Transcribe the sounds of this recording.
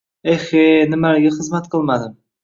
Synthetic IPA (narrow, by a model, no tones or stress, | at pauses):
ehenɪmalɡʲaχɨzmat̪qʰɨlˠmad̪ɪm